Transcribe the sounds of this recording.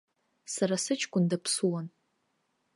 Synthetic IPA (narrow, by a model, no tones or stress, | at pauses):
saɾasɨt͡ʃʰʼkʷʼʊndapʰsuwan